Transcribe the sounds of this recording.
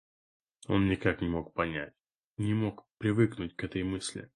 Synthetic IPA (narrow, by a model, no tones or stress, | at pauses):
o̞̰nnʲɪkaknʲɪmo̞k̚pɐnʲætʲ | nʲɪmo̞kpɾʲɪvɨknʊt̚ʲkɛt̪əjmɨsʲlʲɪ̰